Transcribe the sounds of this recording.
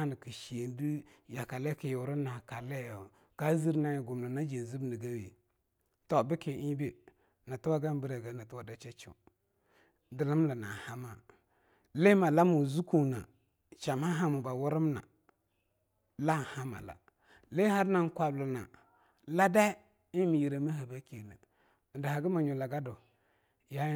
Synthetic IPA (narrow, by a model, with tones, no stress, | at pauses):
ni˨ki˨ʃi˨e˨ndi˦ja˨ka˨le˦ki˨ju˨ɾa˦na˨ka˨le˦jo˨ | ka˦zi˦ɾna˦jɡu˨m˨na˨na˦d͡ʒe˨n˨zi˦bni˨ɡa˦wḛ˨ | to˨bi˦ki˨ʔi˦be˦ | na˨tu˦wa˦ɡa˦n˦bi˦ɾa˨ɡa˦na˨tu˦wa˦˨da˦t͡ʃa˦t͡ʃḭ˨ | də˨lə˦m˦la˨na̰˨ha˦ma˨ | le˦ma˨la˦mu˨zu˦ku˦˨na̰˨ | t͡ʃa˨ma˦ɦa˦mu˨ba˨wu˦ɾɪ˦m˦na̰˨ | la˦˨ha˦ma̰˨la̰˨ | le˦ha˦ɾna˦ŋ˦kʷa˨bla˨na̰˨ | la˦da˦ | i˦mi˨ji˨ɾa˨mi˦ɦa˨ba˦ke˨nə̰˨ | n̩˨da˨ha˨ɡi˦ma˨ɲu˨la˨ɡa˦do˨ | ja˦